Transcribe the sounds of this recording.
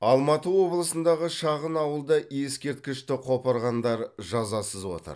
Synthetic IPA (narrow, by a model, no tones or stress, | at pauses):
ɑlˠmɑt̪əwo̞blˠəsənd̪ɑʁəʃɑʁənɑwəlˠd̪ɑje̞skʲe̞ɾt̪̚kʲɪʃt̪ɪqʰo̞pɑɾʁɑnd̪ɑɾʒɑzɑsəzwo̞̰t̪ə̰ɾ